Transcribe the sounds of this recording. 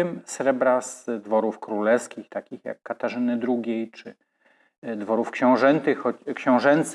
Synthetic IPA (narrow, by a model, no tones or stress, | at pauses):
ɘmsɾɛbɾaz̥d̪vɔɾufkɾulɛfskʲixt̪akʲixja̰kːat̪aʐɘnɘd̪ɾuɡʲejt͡ʂɘ | d̪vɔɾufkɕɛ̃w̃ʐɛnt̪ɘxːɔt͡ɕkɕɔ̃w̃ʐɛnt̪s